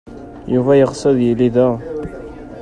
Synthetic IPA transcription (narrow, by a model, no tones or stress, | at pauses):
juvæjəʁsˤəðjəlːiðæ